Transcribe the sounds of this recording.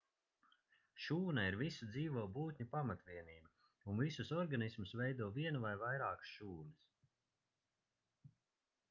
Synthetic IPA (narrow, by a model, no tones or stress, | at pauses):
ʃuːnaiɾvisad̪ziːvɔːbuːt̪̚ʲɲupamat̪viɛniːba | unvisusɔɾɡanismusvɛjd̪uɔviɛnuvajvajɾaːksʃuːnis